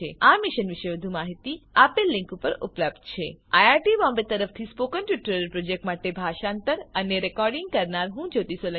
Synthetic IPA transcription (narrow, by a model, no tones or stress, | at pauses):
eamiʃənʋiʃeʋəd̪ʱumaɦit̪iapelːĩŋkupəɾṵpləp̚d̪t͡ʃʰḛajaɾʈibɔmbet̪əɾəft̪ʰispokənʈʋiʈəɾəɾpɾod͡ʒek̚ʈmaʈebʱaʃant̪əɾəneɾɛkɔɾɖɪŋɡ̚kəɾnaɾɦũd͡ʒot̪isolə